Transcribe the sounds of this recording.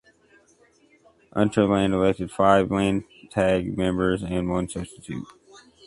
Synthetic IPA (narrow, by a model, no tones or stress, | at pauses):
ʔʌ̃ntə˞læ̃ndəlɛk̚tɨd̥faɪvlæ̃n | tʰæɡ̚mɛ̃mbə˞zɨ̃nwʌ̃nsʌb̥stɨtʰʉ̰t̚